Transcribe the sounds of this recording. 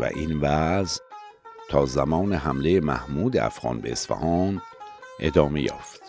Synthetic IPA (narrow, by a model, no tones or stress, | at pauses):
væ̰ʔinvæz | t̪ʰɒːzæmɒːneɦæmlejemæhmuːd̪eʔæ̰fɣɒ̰ːnbe̞ːsfæ̰hɒːnʔe̞̰d̪ɒːme̞jɒ̰ːft̪